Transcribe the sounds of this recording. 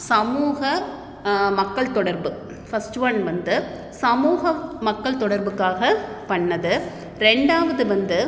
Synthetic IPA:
sɐmuːɣɐ | mɐkːɐɭt̪ɔɽɐɾbɯ | fɐsʈʋɐnʋɐnd̪ɯ | sɐmuːɣɐmɐkːɐɭt̪ɔɽɐɾbɯkːaːɣɐpɐɳːɐðɯ | ɾɛɳɖaːʋɐðɯʋɐnd̪ɯ

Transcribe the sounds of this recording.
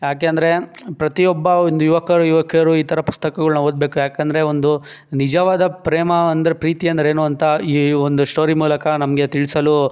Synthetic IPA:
jaːk̬eɐnd̪ɐɾe̞pɾɐt̪ijɔbːɐond̪ujuʋɐkʰɐɾuuʋɐkʰɐɐɾuiːt̪ʰɐɾɐpu̥st̪ɐkɐɡɐɭunɐoːd̪̚be̞ːkujaːkend̪ɐɾe̞ond̪u | nid͡ʒɐʋaːd̪ɐpɾeːmɐɐnd̪ɐɾepɾiːt̪iɐnd̪ɐɾeeːnuːɐnt̪ɐiːond̪uʂʈoːɾimuːlɐkɐnɐmɐɡe̞t̪iɭisɐlu

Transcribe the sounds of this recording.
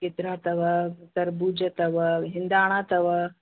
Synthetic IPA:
kɪt̪ɾaːt̪ɐʋɐt̪ɐɾbuːd͡ʒɐt̪ɐʋɐɦɪnd̪aːɽ̃aːt̪ɐʋɐ

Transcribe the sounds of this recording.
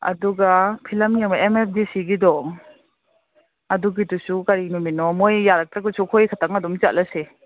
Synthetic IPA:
ɐ̰duɡapʰilɐmjaŋmaemep̚ʰdisiɡidɔŋ | ɐduɡitusukaɾinuminɔmojːaɾɐk̚tɾɐɡusukʰojkʰataŋɐdumt͡ʃa̰t̚lɐse

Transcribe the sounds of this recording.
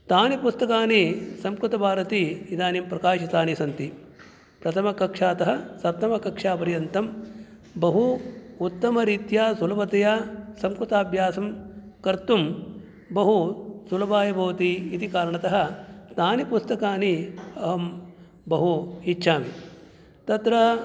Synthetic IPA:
t̪aːnipust̪ɐkaːnisɐmkɾut̪ɐbʱaːɾɐt̪iːd̪aːnimpɾɐkaːʃɐt̪aːnisɐnt̪i | pɾɐt̪ʰɐmɐkɐkʂaːt̪ɐɦɐ̆sɐt̪ːɐmɐkɐkʂaːpɐɾjɐnt̪ɐm | bɐɦuut̪ːɐmɐɾiːt̪jaːsulɐbɐt̪ɐjaːsɐmkɾut̪aːbʱjaːsɐmkɐɾt̪um | bɐɦusulɐbaːjɐbɐʋɐt̪iːt̪ikaːɾɐɳɐt̪ɐɦɐ̆st̪aːnipust̪ɐkaːniɐɦɐm | bɐɦuitːʃʰaːmi | t̪ɐt̪ɾɐ

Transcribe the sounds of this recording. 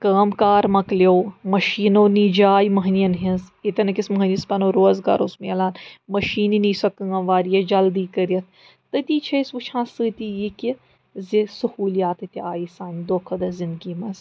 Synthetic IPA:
kaːmkaːɾmɐkljoːmɐʃiːnoːnid͡ʒaːjmɐɦɐniɐnɦĩzit̪ʲɐnɐkismɐɦɐnʲispɐnoːɾoːzɡɐ̰ɾosmiɐlaːnmɐʃiːninisɐkɐŋɐʋaːɾijɐd͡ʒɐld̪iːkɐɾjɐt̪̚ʰ | t̪ɐt̪iːt͡ʃʰɐisʋut͡ʃʰãːsɨːt̪ʲijiki | zisɐhuːlijaːt̪ɨt̪ʲiaːjisaːnʲd̪oːkʰɐd̪ɐzind̪ɡiːmɐz

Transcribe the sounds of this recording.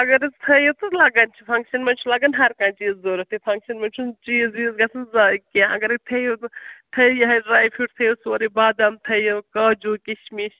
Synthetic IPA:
ɐɡɐɾizt̪ʰɐjɐt̪ɨlɐɡɐnt͡ʃʰipʰɐŋkʃɐnmɐnt͡ʃʰulɐɡɐnɦɐɾkãːnt͡ʃiːzːoːɾɐt̪ʰipʰɐ̃ŋkʃɐnmɐnʲt͡ʃʰunt͡ʃiːziːzɡɐsʰɐnzaːkãɐ̰ɡɐɾit̪ʰɐjot̪t̪ʰɐjɐɦɐɖɾaːjpʰiʈt̪ʰɐjusɐɾibaːd̪ɐmt̪ʰɐjɐkɐːd͡ʒuːkiʃmiʃ

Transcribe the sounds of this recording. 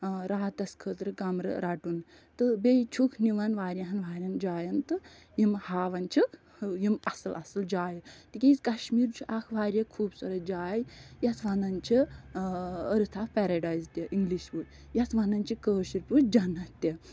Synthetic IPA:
ɾaːt̪ɐskʰəːt̪ɾɨɡɐmɾɨ̰ɾaʈun | t̪ɨbejt͡ʃʰukʰniʋɐnʋaːɾʲɐɦɐnʋaːɾʲɐnd͡ʒaːjɐnt̪ɨ | jimhaːʋɐnt͡ʃʰik | jimɐsɐlʔɐsɐld͡ʒaːjit̪ikʲeit͡skɐʃmiːɾt͡ʃʰuʔakʰʋaːɾʲjɐkʰuːbsɐɾɐd͡ʒaːjjɐt͡sʰʋɐnɐnt͡ʃʰi | əɾɨt̪ʰakpɛɾɐɖaːjzt̪ʲɐʔiŋɡliʃpu | jɐt͡sʋɐnɐnt͡ʃʰikəːʃiɾpud͡ʒɐnɐt̪t̪ʲɐ

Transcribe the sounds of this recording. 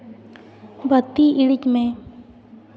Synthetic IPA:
bʱət̪ːiiɽɪt͡ʃmẽ

